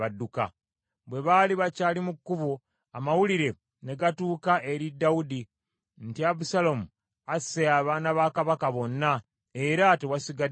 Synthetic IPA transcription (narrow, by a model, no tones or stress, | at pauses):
aduka̰ | βwe̞βaliβacaːlimukːuβo | amawuliɾe̞ | ne̞ɡatuːkaʔe̞ɾidːawudi | ntiaβusalomu | aseaːβaːnaβaːkaβakaβo̞nːa | eɾatewasiɡa